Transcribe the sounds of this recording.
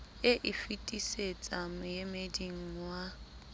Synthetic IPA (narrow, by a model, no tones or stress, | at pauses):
ɪʔɪfitʼiset͡sʼamʊjemediŋ̩wa